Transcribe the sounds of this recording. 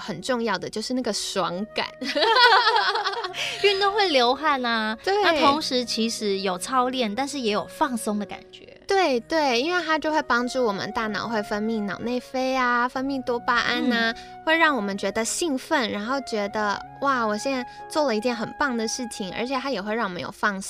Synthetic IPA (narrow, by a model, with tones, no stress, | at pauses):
xə˨˩nʈ͡ʂʊ˥˧ŋjɑ˥˩ʊd̪ə˩t͡ɕjo˥˧ʂɻ̩˥˧na˥˩ɡə˩swɑ˧˥ŋka̰˨˩˦n | y˥˧ŋt̪o˥ŋxwe˥˩ɪljo˧˥ʊxa˥˩nɐ˩t̪we˥˩na˥t̪ʰʊ˧˥˧ŋʂɻ̩˧˥t͡ɕʰi˧˥ʂɻ̩˧˥jo˨˩ʊt͡sʰɑ˥ʊljɛ˥˩nt̪a˥˧nʂɻ̩˥˩jɛ˧˥jo˨˩ʊfɑ˥˩ŋsʊ˥ŋd̪ə˨ka̰˨˩nt͡ɕɥɛ̰˧˥t̪we˥˩ɪt̪we˥˩ɪi˥nwe˥˩ɪt̪ʰa˥t͡ɕjo˥˧ʊxwe˥˩ɪpɑ˥ŋʈ͡ʂu˥˩wɔ˨˩mə̰˦nt̪a˥˩nɑ̰˨˩ʊxwe˥˩ɪfə˥nmi˥˩ŋnɑ˨˩ʊne˥˩ɪfe˥ɪa˧fə˥nmi˥˩t̪wɔ˥pa˥ʔa˥nɐ˧ | xwe˥˧ɪɻɑ˥˩ŋwɔ˨˩mə˦nt͡ɕɥɛ˧˥d̪ə˧ɕi˥˧ŋfə˥˩nɻa˧˥nxo˥˩ʊt͡ɕɥɛ˧˥d̪ə̰˧ | wa˥˩wɔ˨˩ɕjɛ˥n˥ | t͡swɔ˥˩lə˩i˧˥t̪jɛ˧˥nxə˨˩npɑ˥˩ŋd̪ə˩ʂɻ̩˥˩t͡ɕʰi˧˩ŋə̰˞˧˥t͡ɕʰjɛ˨˩t̪ʰa˥jɛ˨˩xwɪɻɑ˥˩wɔ˨˩˧jo̰˨˩ʊfɑ˥˩ŋs